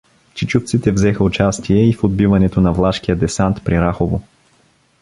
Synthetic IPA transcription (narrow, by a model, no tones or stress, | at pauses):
t͡ʃit͡ʃuft̪sit̪ɛvzɛxəʊt͡ʃast̪iɛifod̪̚bivɐnɛt̪onɐvlˠaʃkijəd̪ɛsant̪pɾiɾaxovo